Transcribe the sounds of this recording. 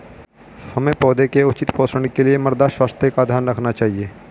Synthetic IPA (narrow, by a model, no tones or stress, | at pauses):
hɐmẽpɔːd̪ekeʊt͡ʃɪt̪pɔːsəɳɽ̃ikeliemɐɾd̪aʃwaːst̪ʰjekad̪ʱjaːɾnɾɐkʰnat͡ʃaːɦieː